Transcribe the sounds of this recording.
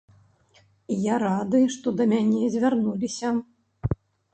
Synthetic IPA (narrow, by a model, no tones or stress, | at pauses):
ijaɾad̪ɨʂt̪ɔd̪ɐmʲanʲɛzʲvʲarnulʲisʲɐ